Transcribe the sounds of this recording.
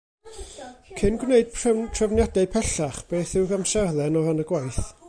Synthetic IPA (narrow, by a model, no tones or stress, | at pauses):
kʰɪnɡwneɨd̥̚pʰtʰrəvnjadɛɨpʰɛɬaχb̥eːθɪwɡamsɛrðɛnɔvanəɡwajθ